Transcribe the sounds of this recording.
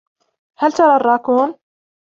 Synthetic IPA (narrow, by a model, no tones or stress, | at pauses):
hælt̪ɑɾˤɑːrˤɑkuːn